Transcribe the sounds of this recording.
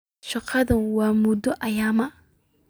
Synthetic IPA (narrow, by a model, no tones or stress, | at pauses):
ʃɐqɑðɐnwaːmʊd̪ɔʔɐjaːmɐʔ